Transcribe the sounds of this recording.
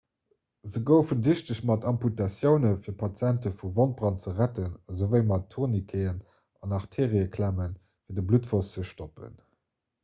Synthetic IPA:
zəɡəʊfəndiɕtəɕmɑtɑmputɑsjəʊnəfiːɐpʰɑt͡sjæntəfuvont̚b̥ʁɑnt͡səʁætənzəvɜɪmɑtʰːuʁnikʰəɪən | ɑnɑʁtʰeːʁiəkʰlæmən | fiːɐdəblutfost͡səʃtopə̰n

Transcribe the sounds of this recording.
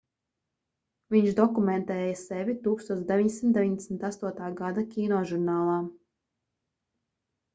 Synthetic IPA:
viɲʃd̪ɔkumɛnt̪ɛːjasɛvʲit̪uːkst̪uɔt̪d̪evʲiɲʲd̪ʲesʲimt̪d̪eviɲd̪ʲɛsʲmt̪ast̪uɔt̪aːɡad̪akʲiːnɔʒuɾnaːlˠaː

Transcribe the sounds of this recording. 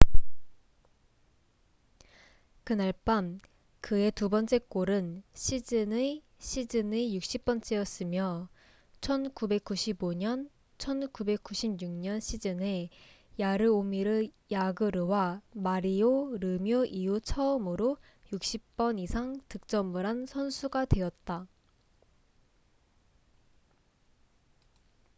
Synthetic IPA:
kɯnaɭp͈am | kɯe̞tubʌnt͡ɕ͈e̞k͈oɾɯnɕʰid͡ʑɯne | ɕʰid͡ʑɯnejuk̚ɕ͈ip̚p͈ʌnt͡ɕ͈ejʌs͈ɯmjʌ | t͡ɕʰʌnkube̞k̚k͈uɕʰiboɲʌn | t͡ɕʰʌnkube̞k̚k͈uɕʰibɲuŋɲʌnɕʰid͡ʑɯne | jaɾɯomiɾɯ | jaɡɯɾɯwamaɾioɾɯmjoʔiut͡ɕʰʌɯmɯɾo | juk̚ɕ͈ip̚p͈ʌnisʰaŋtɯk̚t͡ɕ͈ʌmuɾansʰʌnsʰuɡadwe̞ʌt̚t͈a

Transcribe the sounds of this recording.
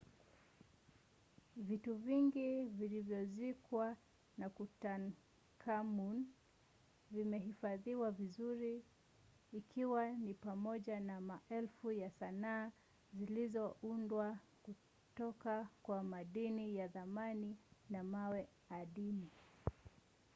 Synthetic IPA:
vituviŋɡivilivjɔzikwa | nakutan | kʰamun | vimɛɦifaðiwavizuɾiː | kʰiwanipamɔʄanamaʔɛlfujasanaː | zilizɔʔundwa | ku | tɔkakwamaɗinijaðamaninamawɛ | aɗini

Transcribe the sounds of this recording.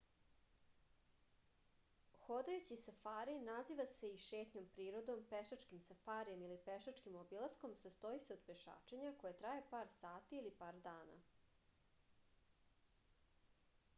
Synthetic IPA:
xod̪ajut͡ɕisafaːɾinaziʋase̞iʃeːt̪ɲo̞mpɾiːɾod̪o̞mpeʃat͡ʃkimsafaːɾijemilipeʃat͡ʃkimobilˠasko̞msast̪o̞iseo̞d̪peʃa̰ːt͡ʃeɲako̞jet̪ɾajepaːɾsaːt̪iːlipaːɾd̪aːna̰

